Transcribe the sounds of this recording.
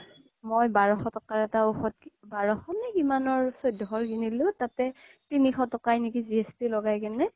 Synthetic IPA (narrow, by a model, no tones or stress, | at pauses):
mojbaɹɔxɔtɔkaɹɛtauxɔt̚kibaɹɔxɔnɛkimanɔɹsojdʱɔɦɔɹkinilʊ̃tatɛ | tinixɔtɔkajnikiziɛstilɔɡajkɛnɛ